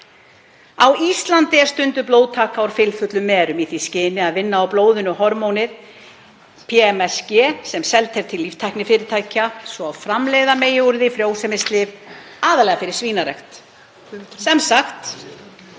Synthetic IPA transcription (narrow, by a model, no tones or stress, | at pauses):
awist̪lant̪ɪɛɾ̥st̪ʏnt̪ʏploːwðt̪ʰaːkaɔɾ̥fɪlfʏt̪lʏmɛːɾʏmiθiscɪːnɪaðvɪnːaawploːwðʏnʏhɔɾmownɪð | pʰɛɛmɛscɛːsɛmsɛlt̪hejv̥t̪ʰɪlːifst̪ʰajhknɪfɪːɾɪɾt̪ʰaːjcasvɔawfɾamleːjðameːjʏɾðɪfɾjoːwsɛmɪst̪lɪv | aːðalɛɣafɪɾɪɾ̥sviːnaɾɛ̰xt̪ | sɛmsaxt̪